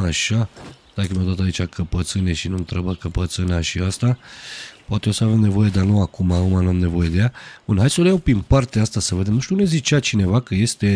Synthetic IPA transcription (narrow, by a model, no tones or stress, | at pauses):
aʃa | d̪akəmeod̪at̪ait͡ʃʲakʰəpət̪sɨneʃinunt̪ɾəbəkəpət̪sɨnaʃiast̪apoat̪eo̞səavemne̞vo̞je̞d̪anuakumaumanuamne̞vo̞je̞d̪ejabunɦaj̪soljawpinpart̪east̪asəved̪emnuʃt̪ʲunezit͡ʃat͡ʃine̞vakəje̞st̪e̞